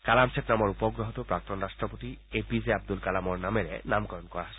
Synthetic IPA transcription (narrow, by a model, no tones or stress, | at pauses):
kalamsʰetnamɔɹupɔɡɹɔɦɔt̪upɹak̚t̪ɔnɹastɹɔpot̪iepizeab̚d̪ulkalamɔɹnameɹɛ̰namkɔɹɔnkɔɹa